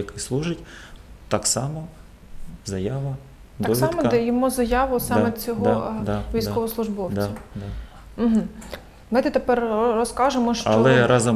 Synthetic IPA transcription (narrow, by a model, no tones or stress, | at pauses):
ɐkɪxslˠuʒɪtʲt̪ɑksɑmɔ | zɐjaʋɐ | d̪ɑɔksʲiɑmmɔdd̪ɛjɔmuzɐjɑʋʊsɑmet͡sʲɔɦ̪d̪ʋʲijsʲkɔʋɔslˠʊʒbɔwd̪t͡sʲɐd̪a | m̩ɦm̩ | mɪt̪ɛt̪epɛrrɔskɑʒemɔʃt͡ʃɐ̰lɔɛɾɑzɐ